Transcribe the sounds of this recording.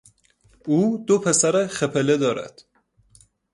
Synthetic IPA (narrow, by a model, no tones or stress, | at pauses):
uːd̪opʰe̞sæɾeχepʰeled̪ɒːɾæ̰d̪̥